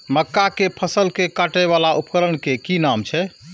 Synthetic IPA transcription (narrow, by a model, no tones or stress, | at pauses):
məkːakepʰəsəlkekaʈɛβalaʔupkəɾəɳkekinamt͡ʃʰɛ